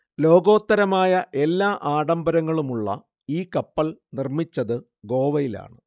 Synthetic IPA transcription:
lo̞ːɡo̞ːt̪ːɐɾɐmaːjɐʔe̞lːaːʔaːɽɐmbɐɾɐŋːɐɭumuɭːɐ̰ | iːkɐpːɐlnirmit͡ɕːɐðɨ | ɡo̞ːʋɐjila̰ːɳɨ

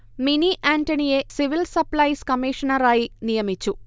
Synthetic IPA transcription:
miniʔaːɳʈɐnije̞siʋilsɐplɐjskɐmiːʂɐnɐɾaːjinijɐmit͡ʃːu

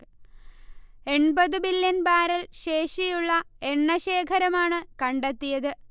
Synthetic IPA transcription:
e̞ɳbɐðɨbiljɐnbaːɾɐlɕe̞ːʂijuɭːɐe̞ɳːɐɕeːkʰɐɾɐmaːɳɨkɐɳɖet̪ːijɐðɨ

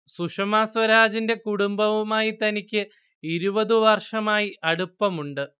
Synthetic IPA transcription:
suʂɐmaːsʋɐɾaːd͡ʑinde̞kuɽumbɐʋumaːjit̪ɐnikʲːɨ | iɾubɐðɨʋɐrʂɐmaːjiʔɐɽupːɐmuɳɖɨ

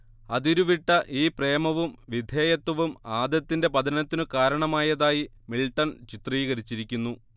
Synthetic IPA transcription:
ɐðiɾuʋiʈːɐʔiːpre̞ːmɐʋumʋid̪ʱjeːjɐt̪ːwɐʋumaːd̪jɐt̪ːinde̞pɐd̪ʱɐnɐt̪ːinɨkaːɾɐɳɐmaːjɐðaːji | miɭʈːɐnt͡ɕit̪riːɣɐɾit͡ɕːiɾikʲːunːu

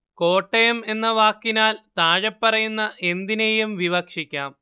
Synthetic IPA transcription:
ko̞ːʈːejume̞nːɐʋaːkːinaːlt̪aːɻɐpːɐrɐjunːɐʔe̞nd̪inejumʋiʋɐkʂikʲːaːm

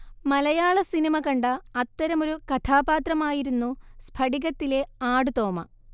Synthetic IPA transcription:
mɐlɐjaːɭɐsinimɐkɐɳɖɐɐt̪ːɐɾɐmo̞ɾukɐt̪ʰaːbaːt̪rɐmaːjiɾunːuspʰɐɽiɣɐt̪ːile̞aːɽut̪oːmɐ̰

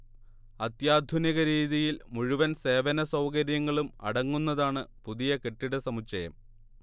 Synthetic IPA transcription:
ɐt̪jaːd̪ʱuniɣɐɾiːðijilmuɻuʋɐnse̞ːʋɐnɐsɐwkɐɾjɐŋːɐɭumɐ̰ɽɐŋːunːɐðaːɳɨpuðijɐke̞ʈːiɽɨsɐmut͡ɕɐjɐ̰m

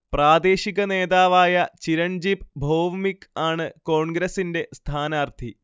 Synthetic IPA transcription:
praːd̪e̞ːɕiɣɐne̞ːðaːʋaːjɐt͡ɕiɾɐɳd͡ʑibbʱo̞ːʋmikːaːɳɨko̞ːɳɡɾɐsinde̞st̪ʰaːnaːrt̪ʰi

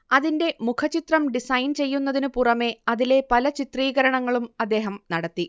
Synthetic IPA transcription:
ɐðinde̞mukʰɐt͡ɕit̪rɐmɖisɐjnt͡ɕe̞jːunːɐðinɨpurɐme̞ɐðile̞pɐlɐt͡ɕit̪riːɣɐɾɐɳɐŋːɐɭumɐd̪ːe̞ːɦɐmnɐɽɐt̪ːi

